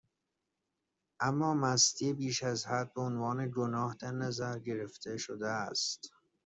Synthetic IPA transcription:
ʔæmːɒːmæst̪ʰiebiːʃæzhæd̪̚beonvɒːneɡonɒːhd̪æɾnæzæɾɟe̞ɾeft̪ʰe̞ʃod̪eæst̪

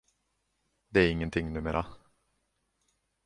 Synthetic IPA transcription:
d̪ɛæɾɪŋːənt̪ʰɪŋːnʉ̟ːmeːɾʔa

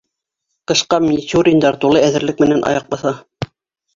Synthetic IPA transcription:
t̪ɤ̆ʃqɑmʲt̪ʲuɾʲɪnd̪ɑɾt̪ulˠɤæðɘ̆ɾlɘk̚mɘ̆nænʔɑ̰jɑqlɤ̆θɑ

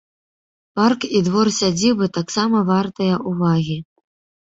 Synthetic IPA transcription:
parkid̪vɔrsʲad͡zʲiwbɨt̪aksamɐvart̪ɐjɐʔuvaɣʲi

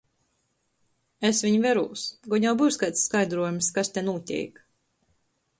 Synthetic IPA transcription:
esvʲiɲvʲɛɾṵːsɡɔɲawbuːskajt̪sːkajd̪ɾuɔjumskast̪ʲenuɔt̪ʲḭːk

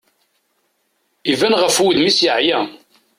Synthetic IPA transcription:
ivænʁəfwiðmisjəʕjæ

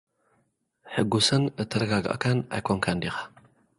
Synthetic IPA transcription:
ħɨɡusɨnɨt̪ʰːɐɾɐɡaɡɐ̰ʔkʰanʔa̰jkʰoŋkʰand̪ixḁ

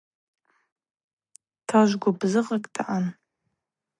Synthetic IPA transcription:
tʰaʒʷɡʷabzɨqʼakʼdʰaʔan

